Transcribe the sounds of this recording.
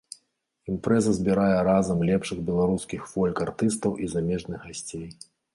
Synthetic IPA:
impɾɛzɐzʲbʲiɾajɛɾazɐmlʲɛpʂɨɣbʲɛlˠaɾuskʲixfɔlʲkart̪ɨst̪ɐwʔizamʲɛʐnɨɣɣasʲt͡sʲej

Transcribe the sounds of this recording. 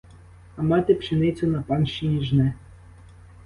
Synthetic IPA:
ɐmɑt̪ɪpʃɪnɪt͡sʲʊnɐpɑnʃinʲiʒnɛ

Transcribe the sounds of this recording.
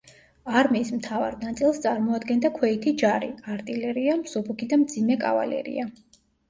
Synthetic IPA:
aɾmiːsmt̪ʰava̰ɾnat̪sʼilˠst̪sʼaɾmɔad̪ɡɛnd̪akʰwɛit̪ʰid͡ʒaɾḭaɾt̪ʼilɛɾiamsɔbukʰid̪amd̪zimɛkʼa̰va̰lɛ̰ɾḭa

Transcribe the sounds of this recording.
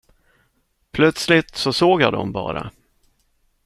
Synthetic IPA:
pʰlœt̪slɪt̪sɔsoːɡjaːd̪ɔ̰mbɑ̰ːɾa̰

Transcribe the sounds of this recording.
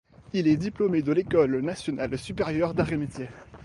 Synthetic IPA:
ilɛd̪iplomed̪əlekɔlnasjɔnalsypeʁjœʁd̪aʁemit̪je

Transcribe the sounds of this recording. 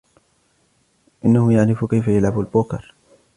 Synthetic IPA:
ʔɪnːahʊmjaʕɾɪfkajfajalʕabalbʊːkɑ̰ɾˤ

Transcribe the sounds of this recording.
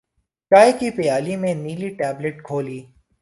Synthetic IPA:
t͡ʃaːekipɪjaːlimẽniːliʈɛːbleʈ̚kʰoːliː

